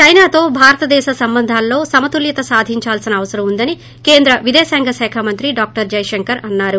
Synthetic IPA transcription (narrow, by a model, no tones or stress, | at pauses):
t͡ʃɐjnaːt̪o̞ːbʱaːɾɐt̪ɐd̪ɛːʃɐsɐmbɐnd̪ʱaːlːo̞ːsɐmɐt̪uljɐt̪ɐsaːd̪ʱiɲt͡ʃaːlsinɐːʋɐsɐɾɐmund̪ɐni | ke̞ːnd̪ɾɐʋid̪ɛːsaːŋɡɐʃɛːkʰamɐnt̪ɾiɖaːk̚ʈɐɾd͡ʒɐjʃɐŋkɐɾɐnːaːɾu